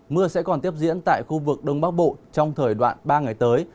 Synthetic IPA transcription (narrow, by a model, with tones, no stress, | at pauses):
mɨ˧əsɛ̰˧˥kɔ˨˩nt̪i˦˥əp̚zḭ˧˥ənt̪a̰ː˧˨jxu˧vɨ˨˩k̚ɗə˧wŋ͡mɓaː˦˥k̚ɓo̰˧˨t͡ɕɔ˧wŋ͡mt̪ʰəː˨˩jɗwa̰ː˧˨nɓaː˧ŋa˨˩jt̪əː˨˦j